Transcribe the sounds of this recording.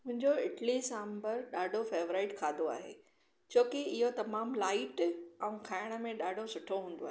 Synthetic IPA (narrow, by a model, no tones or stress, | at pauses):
mʊ̃ɦɪ̃ɲd͡ʑoɪʈlisãːmbəɾɗaːɖʱofeːʋɾaːɪʈkʰaːd̪oa̰ːɦḛː | t͡ɕʰoːkɪɪɦot̪ɐmaːmlaːɪʈɛ̃ũkʰaːɪɽ̃ə̆mẽɗaːɖʱosʊʈʰoɦũːnd̪o̰aːɦeː